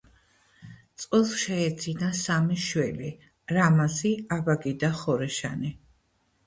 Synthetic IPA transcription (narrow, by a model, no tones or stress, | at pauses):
t̪sʼɛlˠʃɛːd̪zinasamiʃwɛli | ɾamasiabaɡid̪aχɔɾɛʃa̰ni